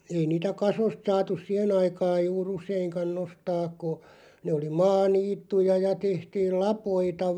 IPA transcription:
ei niːtæ kɑsost sɑːtus sih̆en ɑikɑːj̆ juːr useiŋkɑn nostɑːk̆ ko neː oli mɑːniːtːujɑ jɑ tehtiːl lɑpoitɑ

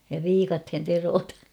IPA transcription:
jɑ ʋiːkɑthen teroːtɑn̞

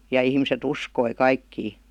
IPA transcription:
jɑ ihmiset uskoi kɑikːiː

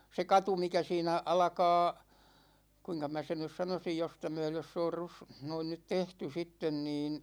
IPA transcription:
se kɑtu mikæ siːnæ ɑlɑ̆kɑː kuiŋkɑ mæ sen nys sɑnosij jostɑ myøløs s oːr rus noin nyt tehty sitːen niːn

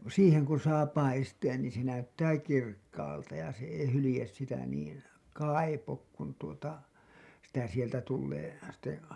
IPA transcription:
siːheŋ kun̞ sɑː pɑisteːn niːn se næytːæː kirkːɑːltɑ jɑ se ei hylĭjes sitæ niːn kɑipok kun tuotɑ sitæ sieltæ tulːeː sitːe

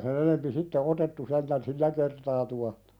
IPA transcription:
sen enempi sitːe otetːu sentæn silːæ kertɑː tuɑhtɑ̥

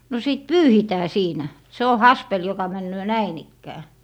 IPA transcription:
no siˑt pyːhitæː siːnæ se o hɑspel jokɑ mænːøː næin ikːæː

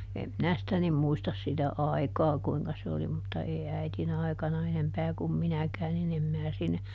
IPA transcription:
em minæ sĭtæ nim muistɑs sitæ ɑi̯kɑː kuiŋkɑ se oli mutːɑ eˑi æitin ɑikɑnɑ enempæː kum minækæː nin em mæː sinːe

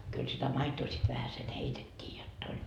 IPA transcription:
kyl sitæ mɑitoː sit ʋæhæsen heitetʲːiː jotː olʲ

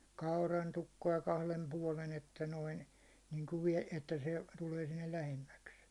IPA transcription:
kɑurɑntukːoɑ kɑhlem puɒlen etːæ noin niŋku ʋie etːæ se tuleː sinːel læhemːæks

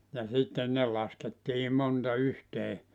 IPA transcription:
jɑ sitːen ne lɑsketːiː montɑ yhteː

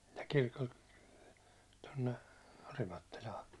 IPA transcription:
jɑ kirkolt tonːe orimɑtːilɑː

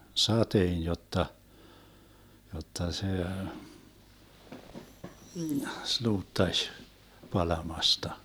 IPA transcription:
sɑteːn jotːɑ jotːɑ se sluːtːɑʃ pɑlɑmɑstɑ

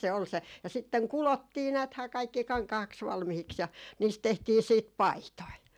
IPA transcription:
se ol se jɑ sitːeŋ kulotːiː næːthæː kɑikːi kɑŋkɑhɑks ʋɑlmihiks jɑ niːst tehtiː siːt pɑitoi

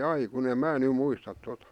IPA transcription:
ɑi kun eˑm̆ mæː ny muistɑt totɑ

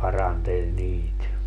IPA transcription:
pɑrɑntelʲ niːt

